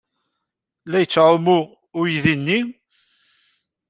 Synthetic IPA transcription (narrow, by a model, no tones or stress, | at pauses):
læjət͡sːʕʊmʊ | ʊjðinːi